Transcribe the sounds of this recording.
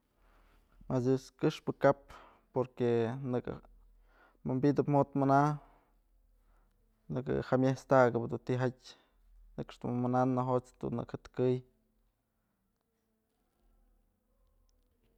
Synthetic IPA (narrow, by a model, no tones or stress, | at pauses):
masd̪joskɨʂpɨkap̚ | poɾkenɨkɨ̰ | mambid̪ɨpm̥ot̪mɨna | nɨkɨ̰hamjest̪aɡɨbd̪unt̪iɦatʲ | nɨkʂd̪umananːaɦot͡sd̪̥ṵnɨ̰khat̪kɨj